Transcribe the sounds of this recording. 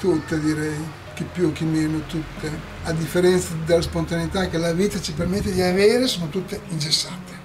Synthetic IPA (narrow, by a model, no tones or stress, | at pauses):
t̪ut̪ːed̪iɾɛj | k̟ipːjuk̟imeːnot̪ut̪ːe | ad̪ifːeɾɛnt̪sad̪elːaspont̪aneit̪akːelaviːt̪at͡ʃipermet̪ːed̪iaveːɾesoːnot̪ut̪ːeind͡ʒesːaːt̪e̥